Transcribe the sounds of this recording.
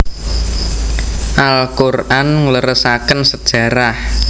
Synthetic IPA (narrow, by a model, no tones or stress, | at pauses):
ʔalkurʔanŋləɾəsakənsəd̥ʒ̥ä̤ɾah